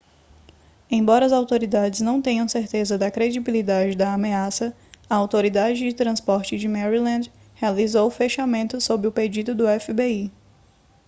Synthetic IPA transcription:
ẽj̃bɔɾɐɐzawt̪oɾid̪ad͡ʒɪznɐ̃w̃t̪ẽɲɐ̃w̃seɾt̪ezɐd̪ɐkɾed͡ʒibilid̪ad͡ʒɪd̪ɐːmeasɐ | ɐawt̪oɾid̪ad͡ʒɪd͡ʒɪt̪ɾɐ̃spɔɾt͡ʃɪd͡ʒɪmɛɾilɐ̃nd͡ʒ̪ | healizowʊfeʃamẽnt̪ʊsobɾɪʊped͡ʒid̪ʊd̪ʊɛfibei

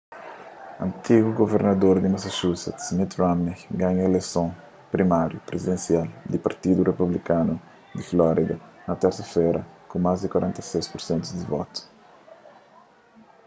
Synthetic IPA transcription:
ɐ̰̃nt̪iɡuɡoveɾnɐd̪oɾd̪imasaʃusɛ̰t̪smit̪ɾamiɡãɲɐelesõ | pɾimaɾjupɾezid̪ẽnsiald̪ipaɾt̪id̪urepublikanu | d̪iflɔɾid̪ɐnɐt̪ɛɾsɐfɛɾɐkũmazd̪ikwaɾɛ̃nt̪ɐsejspuɾsẽnt̪uzd̪ivɔ̰t̪u̥

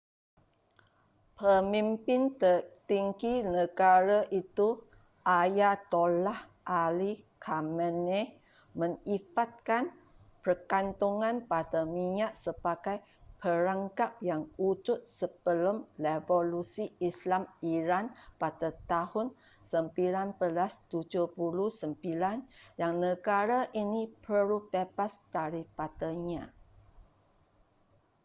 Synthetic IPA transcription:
pəmĩmpɪnt̪ət̪iŋɡinəɡaɾaʔit̪u | ʔajat̪olah | ʔalikʰaməne | mə̃ŋifat̪̚kan | pərkant̪uŋãnpadamiɲaʔsəbaɡaj | pəɾaŋkap̚jaŋud͡ʒʊt̪̚səb̥əlʊmlevolusiislamiɾanpadat̪ahʊn | səmpilanpəlast̪ud͡ʒupuluhsəmpilanjaŋnəɡaɾaʔinipəɾubebasd̥aɾipat̪əɲã

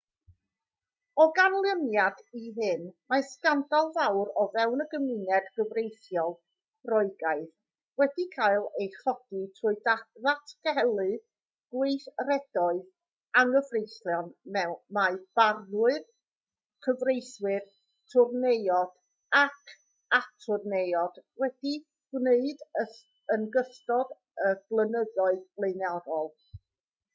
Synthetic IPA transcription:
ɔɡanlˠəmjadiɦɨnmaskandalˠvawɾɔvɛwnəɡəmɨnɛdɡəvrejθjɔlˠ | rɔɨɡaɨð | wɛdikʰajlˠejχɔd̥itʰrʊɨdaðatʰɡ̥ɛlˠɨð | ɡ̥wejθrɛd̥ɔɨð | aŋəvrejslˠjɔnmɛwmab̥arnʊɨð | kʰəvrejswɨr | tʰʊrnejɔd̥ | akʰ | atʰʊrnejɔd̥wɛd̥i | ɡneɨdə | ənɡəstɔd | əb̥lˠənəðɔɨðlˠeɨnaɾɔlˠ

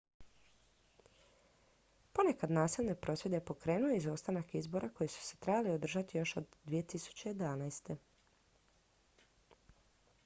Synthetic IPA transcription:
po̞ne̞kad̪naːsilʲˠne̞pɾʔo̞sʋje̞d̪epo̞kɾe̞ːnujeizo̞st̪anakizbo̞ɾʔako̞jesu̥set̪ɾebaliod̪r̩ʒat̪ijo̞ʃod̪ːʋijet̪isu̥t͡ɕejed̪anajst̪e̞

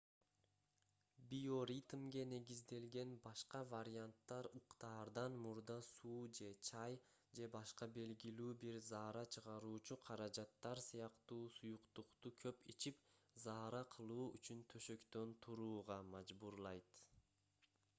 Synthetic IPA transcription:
bijo̞ɾʲit̪mɡe̞ne̞ɡizd̪e̞lɡe̞nbɑʃqɑvaɾʲɪant̪ːɑɾuqt̪ɑːɾd̪ɑnmuɾd̪ɑsuːd͡ʒe̞t͡ʃʰɑj | d͡ʒe̞bɑʃqɑbe̞lɡilyːbiɾzɑːɾɑt͡ʃʰɯʁɑɾuːt͡ʃuqʰɑɾɑd͡ʒɑt̪ːɑɾsɯjɑqt̪uːsujuqt̪uqt̪ukʰøpit͡ʃipzɑːɾɑqʰɯlˠuːyt͡ʃynt̪ʰø̞ʃø̞kt̪ø̞nt̪ʰuɾuːʁɑmɑd͡ʒbuɾlˠɑjt̪

